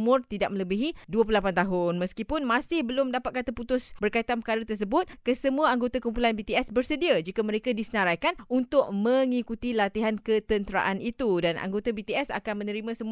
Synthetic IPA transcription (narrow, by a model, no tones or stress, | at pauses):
mʊrt̪idaʔ̚mələbiɦiduəp̬lulapant̪aɦʊnməskipʊnmãsɪhbəlʊmdapat̪̚kat̪əput̪ʊsbərkait̪anpərkaɾat̪ərs̬əbʊt̪̚kəsəmuaaŋɡot̪akumpulanbit̪iɛsbərsədiad͡ʒikamə̃ɾekadisənaɾajkanunt̪ʊʔ̚mə̃ŋikut̪ilat̪iɦankət̪ənt̪əɾa̰ʔanit̪udanʔa̰ŋɡot̪abit̪iɛsa̰kanmə̃nə̃ɾimãsəmu